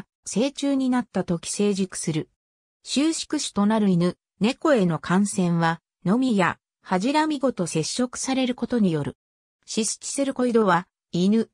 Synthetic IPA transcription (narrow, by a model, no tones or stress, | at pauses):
se̞ːt͡ɕɨːɲ̟inat̪ːat̪o̞kʲi̥se̞ːʑikɯ̟̥sɨɾɯ̟ | ɕɨːɕi̥kɯ̟ɕi̥t̪o̞naɾɯ̟inɯ̟ | ne̞ko̞e̞no̞kʰãɰ̃sẽ̞ɰ̃βa | no̞mʲija | haʑiɾamʲiɡo̞t̪o̞se̞ɕːo̞kɯ̟̥saɾe̞ɾɯ̟ko̞t̪o̞ɲ̟ijo̞ɾɯ̟ | ɕisɨ̥kʲi̥sɨɾɯ̟ko̞id̪o̞βa | inɯ̟